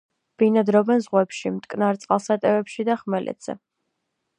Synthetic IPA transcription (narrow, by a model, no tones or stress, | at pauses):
b̥inad̪ɾɔbɛnzʁwɛpʃimt̪ʼkʼnaɾt̪sʼqʼalˠsat̪ʼɛvɛpʃid̪aχmɛlʔɛ̰d̪z̥ɛ̰